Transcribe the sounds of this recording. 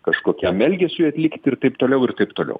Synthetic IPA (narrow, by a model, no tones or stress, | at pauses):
kɐʃkoːkʲæmʲɛlʲɡʲɛsʲʊɪɐt̪ʲlʲɪkt̪ʲɪrt̪ɐɪpt̪oːlʲɛʊɪrt̪ɐɪpt̪oːlʲɛ̰ʊ